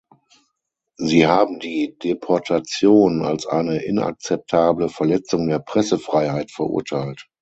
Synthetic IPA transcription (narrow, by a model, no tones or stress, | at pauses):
ziːɦaːbm̩diːdepʰɔɐtʰat͡sjoːna̰lsʔa̰ɪnəʔɪnʔa̰k̚t͡sɛp̚tʰaːbləfɛɐlɛt͡sʊŋdeːɐpʁ̥ɛsəfʁ̥aɪhaɪtfɛɐʔʊ̰ɐtʰaɪlt